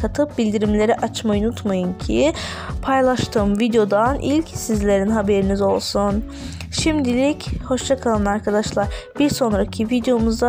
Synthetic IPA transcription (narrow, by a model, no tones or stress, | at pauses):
kʰat̪ʰɯp̚bilʲd̪iɾimlʲe̞ɾɛʔat͡ʃmajunut̪majɯncʰi | pʰajlˠaʃt̪ʰɯːmvid̪jo̞d̪anʔilʲcsizlʲe̞ɾinɦabe̞ɾinizo̞lˠsun | ʃimd̪ilʲicho̞ʃt͡ʃ̪ʰakʰalˠanaɾkʰad̪aʃlˠaɾb̥iɾso̞nɾacʰivid̪ejo̞muzd̪a